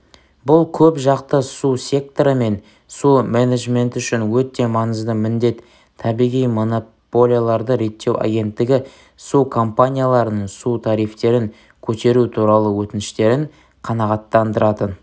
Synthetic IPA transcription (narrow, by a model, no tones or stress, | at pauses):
bʊlˠkʲʰɵpʒɑqt̪əsusʲe̞k̚t̪o̞ɾəme̞n | sumeneʒme̞nt̪ʏʃɪnwɵt̪ːe̞mɑnəzd̪əmɪnd̪e̞t̪ʰː | ɑbijʁijmo̞no | po̞lʲijalˠɑɾd̪əɾe̞t̪ːe̞wʔa̰ɡʲe̞nt̪ːɪɡʲɪ | sukʰo̞mpanʲijalˠɑɾənəɴsut̪ʰɑɾijft̪e̞ɾɪŋ | kʲʰɵt̪e̞ɾut̪ʰuɾɑlˠəwɵt̪ɪnɪʃt̪e̞ɾɪŋ | qʰɑnɑʁɑt̪ːɑnd̪əɾɑt̪ən